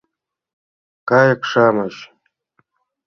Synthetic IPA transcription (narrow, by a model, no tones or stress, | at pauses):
kaːjakʂaːmaʃ